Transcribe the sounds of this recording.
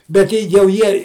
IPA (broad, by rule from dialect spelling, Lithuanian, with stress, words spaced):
bʲɛt ˈtʲɛɪ jɛʊ ˈjiɛ